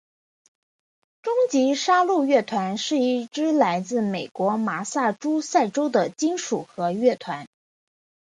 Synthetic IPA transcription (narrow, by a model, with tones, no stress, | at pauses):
ʈ͡ʂʊ˥ŋt͡ɕi˧˥ʂa˥lu˥˧ɥɛ˥˩t̪ʰwa˧˥nʂɻ̩˥˧i˥˩ʈ͡ʂɻ̩˥la˧˥ɪt͡sɹ̩˥˩me˨˩ɪkwɔ˧˥ma˧˥sa˥˩ʈ͡ʂu˥sa˥˩ɪʈ͡ʂo˥ʊd̪ə˨t͡ɕi˥nʂu˨˩xɤ˧˥ɥɛ˥˩t̪ʰwa˧˥n